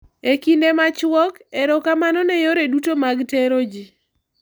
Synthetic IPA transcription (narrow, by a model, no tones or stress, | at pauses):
ekindemat͡ʃwɔkeɾɔkamanɔnɛjoɾedutomaɡteɾod͡ʒi